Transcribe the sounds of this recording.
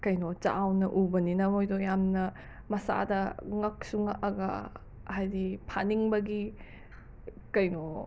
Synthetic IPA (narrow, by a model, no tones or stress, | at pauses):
kɐjnot͡ʃa̰ːwnɐʔubɐninɐmojdojamnɐ | mɐsa̰dɐŋɐk̚suŋaʔɐɡɐ̰ | ɦajdipʰa̰niŋbɐɡi | kɐjno